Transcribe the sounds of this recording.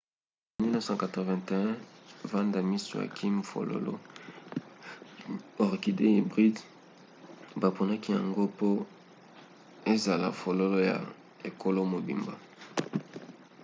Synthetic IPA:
mi˦no˦sã˦˨ka˨te˨vɛ̃˨te˨ɛ̃˦va˦nda˨mi˦so̰˨ja̰˨kʰi˦mfo̰˨lo̰˦lo̰˦ | ɔ˨ʁki˨de˦i˨bʁi˦d | ba˨po˨na˦ki˦ja̰˨ŋɡo˦po˦ | e˦za˨la̰˨fo˨lo˦lo˦ja̰˨ | e˨ko˦lo˦mo˨bḭ˨mba˨

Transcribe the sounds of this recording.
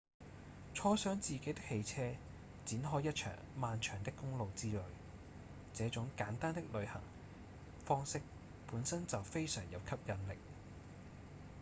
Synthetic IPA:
t͡ʃʰɔː˥sœː˨˥ŋt͡siː˨ke˨˥jt̪ɪ˥k̚he˧jt͡sʰɛː˧ | t͡siː˨˥nɦɔː˥jːɐ˥t̚t͡ʃʰœ̰ː˨˩ŋmaː˨nt͡ʃʰœː˨˩ŋt̪ɪ˥kːʊ˥ŋlo˨wt͡siː˥lɵ˨˧ɥ | t͡sɛː˨˥t͡sʊ˨˥ŋkaː˨˥nt̪aː˥nt̪ɪ˥k̚lɵ˨˧ɥhɐ̰˨˩ŋ | fɔː˥ŋsɪ˥k̚ | puː˨˥nsɐ˥nt͡sɐ˨wfe˥jsœː˨˩ŋjɐ˨˧wkʰɐ˥p̚jɐ˨˧nlɪ̰˨k̚

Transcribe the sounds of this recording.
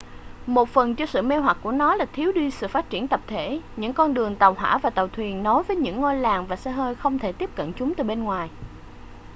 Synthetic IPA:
mo˨˩t̚fə˨˩nt͡ɕɔ˧sɨ̰˧˨me˧ɦwa˨˩k̚ku˧˩ənɔ˨˦laː˨˩t̪ʰi˨˦əwɗi˧sɨ̰˧˨faː˦˥t̚t͡ɕi˧˩ənt̪ə˨˩p̚t̪ʰe˧˩ɲɨ̰˧˥ŋkɔ˧nɗɨ˨˩əŋt̪aə˨˩wɦwa̰ː˧˥vaː˨˩t̪ə˨˩wt̪ʰwi˨˩ənːɔ˨˦jvəː˨˦jɲɨ̰˧˥ŋːo˧jlaː˨˩ŋvaː˨˩sə˧ɦəː˧jxə˧wŋ͡mt̪ʰe˧˩t̪i˦˥əp̚kə̰˧˨nt͡ɕʊ˨˦ŋ͡mt̪ɨː˨˩ɓe˧nŋwaː˨˩j

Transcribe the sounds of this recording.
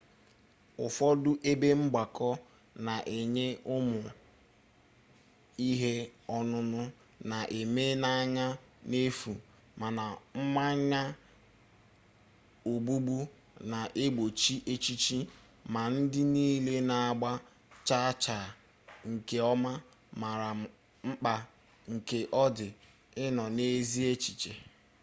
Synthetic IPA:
ʊ˨fɔ˦dʊ˦ʔe˦be˦ŋ͡m̩˦ɡ͡ba˨kɔ˦ | na˨ʔe˨ɲe˦ʔʊ˦mʊ˨ | i˦ɦe˦ɔ˦nʊ˦nʊ˦ | na˨ʔe˨me˦na˦ɲa˦ | ne˦fu˨ | ma˨na˨m̩˦ma˦ɲa˦ | o˨ɡ͡bu˦ɡ͡bu˦ | na˨ʔe˦ɡ͡bo˨t͡ʃi˦ʔe˦t͡ʃi˦t͡ʃi˦ | ma˨n̩˦dɪ˦niː˦le˦na˨a˨ɡ͡ba˦ | t͡ʃa˦t͡ʃa˨ | ŋ̩˨ke˨ɔ˦ma˦ | ma˨ɾa˨ | ŋ͡m̩˦k͡pa˦ | ŋ̩˨ke˨ʔɔ˦dɪ˨ | ɪ˦nɔ˨ne˦zi˦e˦t͡ʃi˨t͡ʃe˨

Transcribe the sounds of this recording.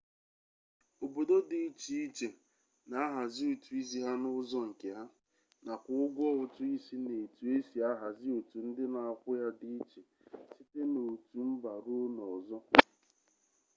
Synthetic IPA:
o˨bo˨do˦di˨i˦t͡ʃi˨i˦t͡ʃe˨ | na˦a˦ɦa˨zɪ˦u˨tu˨i˦zi˦ɦa˦nʊ˦zɔ˦ŋ̩˨ke˨ɦa˦ | na˨kʷʊ˦ʊ˦ɡʷɔ˦ʊ˨tʊ˦i˦si˦ne˨tu˨e˦si˨a˦ɦa˨zɪ˦o˨tu˨n̩˦dɪ˦na˨a˨kʷʊ˦ja˦di˦i˦t͡ʃe˨ | si˦te˦no˨tu˨m̩˦ba˨ɾu˦nɔ˨zɔ˦

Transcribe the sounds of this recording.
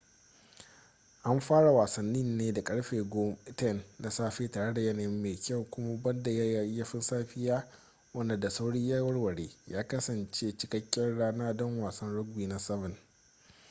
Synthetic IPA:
ʔa˦mɸaː˦ɽa˨waː˨sɐ˨nːɪ˦nːeː˦da˨kʼɐ˦ɽɸeː˨ɡɔ˦m˦tɛ˦˨nːa˨saː˦ɸeː˦taː˨ɽe˦da˨jɛ˦na˨jɪ˦mːeː˨kʲʰa˦wkʷʊ˦ma˦bɐ˦nda˨ja˦ja˦jɐ˦ɸɪ˦nsaː˦ɸɪ˦jaː˦ | wɐ˦nda˨da˨sa˦wɽɪ˦ɲja˦wɐ˦rwɐ˨ɽeː˦jaː˦kɐ˦sɐ˨nt͡ʃeː˦t͡ʃɪ˦kɐ˦kʲːɛ˦nɽaː˦naː˦dɔ˦ŋwaː˨sɐ˦nɽʊ˦ɡ̚biː˨na˨sɐ˦vɪ˨n

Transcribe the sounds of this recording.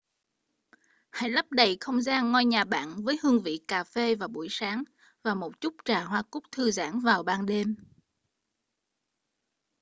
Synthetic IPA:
ha̰˧˥jla˦˥p̚ɗə˨˩jxə˧wŋ͡mzaː˧nŋɔ˧jɲaː˨˩ɓa̰ː˧˨nvəː˨˦jhɨ˧əŋvḭ˧˨kaː˨˩fe˧vaː˨˩ɓṵ˧˩əjsaː˨˦ŋ | vaː˨˩mo˨˩t̚t͡ɕʊ˦˥k͡p̚t͡ɕaː˨˩ɦwaː˧kʊ˦˥k͡p̚t̪ʰɨ˧za̰ː˧˥ŋvaː˨˩wɓaː˧nɗe˧m

